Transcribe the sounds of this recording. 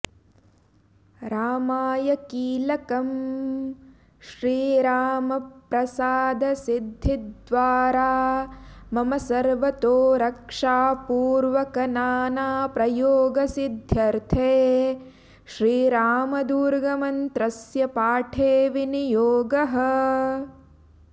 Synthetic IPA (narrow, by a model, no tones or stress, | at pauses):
ɾaːmaːjɐkiːlɐkɐm | ʃɾiːɾaːmɐpɾɐsaːd̪ɐsid̪ʱːid̪ʋaːɾaː | mɐmɐsɐɾʋɐt̪oːɾɐkʂaːpuːɾʋɐkɐnaːnaːpɾɐjoːɡɐsid̪ʱjɐɾt̪ʰeː | ʃɾiːɾaːmɐd̪uːɾɡɐmɐnt̪ɾɐsjɐpaːʈʰeːʋinijoːɡɐɦɐ̆